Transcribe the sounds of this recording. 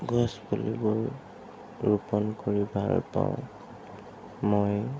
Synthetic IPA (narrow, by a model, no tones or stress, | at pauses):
ɡɔsbɔliboj | ɹupɔnkɔɹibʱalpa̰w̃ | moj